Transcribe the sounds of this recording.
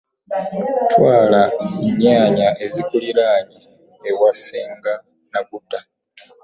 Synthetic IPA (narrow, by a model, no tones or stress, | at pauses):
twaːlaiɲaːɲaʔe̞zikuliɾaːɲiː | waseːŋɡa | naɡutːa